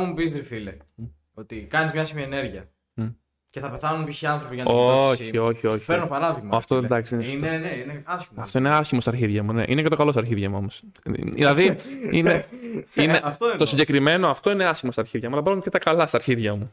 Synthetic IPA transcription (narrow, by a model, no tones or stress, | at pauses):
mumupizd̪ɾifile | ot̪ikɐnizmɲɐsimiɐeneɾʝiɐ | ceθɐpe̞θɐnunpiçiɐnθɾo̞piʝɐnɐoio̞çioçipeɾnopɐɾɐðiɣmɐɐft̪oed̪ɐksiinineneineɐsçimɐt̪o̞ine̞ɐsçimost̪ɐɾçiðʝɐmune̞̰ʔinece̞t̪o̞kɐlo̞sɐɾçiðʝɐmuomosðḭlɐðiineineɐft̪oint̪osiɲɟe̞kɾime̞no̞ɐft̪o̞ineɐsçimost̪ɐɾçiðʝɐmuɐlɐbɐzumcet̪ɐkɐlɐst̪ɐɾçiðʝɐmu